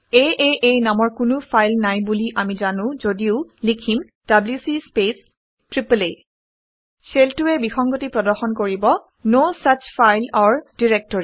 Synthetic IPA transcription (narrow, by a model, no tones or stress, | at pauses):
eʔeʔejnamɔɹkʊnʊfʰajlnajbuliʔamizanʊ̃zodiʊlikʰim | d̥abljusispes | tɹiplej | seltuɛbixɔŋɡotipɹɔdɔɹxɔnkoɹibɔ | nosat͡ʃfʰajlaɹd̥iɹɛk̚tɔɹi